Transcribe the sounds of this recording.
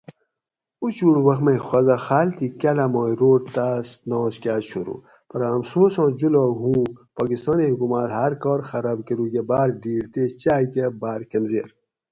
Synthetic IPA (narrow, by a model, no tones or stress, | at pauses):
ut͡ɕuɽwɐxmexwɐzaxaːlt̪ikɐlamoːiɾoːʈt̪asnõːskʲaːt͡ʃʰuɾṵ | pɐɾɐmsoːsõːd͡ʑuloɦũːpaːɡist̪ɔːniɦukumaːlhɐɾkɔːɾxɐɾaːbkeɾuɡebaːɾɖiːɽt̪eːt͡ɕaːkebaːɾkɐmzeːɾ